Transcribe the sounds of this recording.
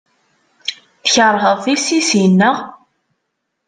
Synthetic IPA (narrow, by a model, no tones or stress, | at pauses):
θəçəɾˤɦəðˤθisisinːæ